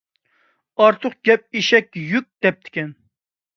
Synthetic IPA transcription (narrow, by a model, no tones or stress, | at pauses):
ɑɾt̪ʰʊqɡ̥ʲɛp̚eʃɛkʲjyk̚ʲd̪̥ɛp̚t̪ʰɪ̥kʲɛn